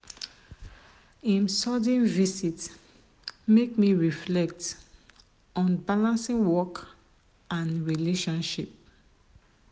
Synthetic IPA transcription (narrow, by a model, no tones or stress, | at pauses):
ĩnsɔdĩnvisit | mekmiɹiflɛk̚t | ɔ̃nbalãnsĩŋwɔk | ãnɹileʃɔ̃nʃip̚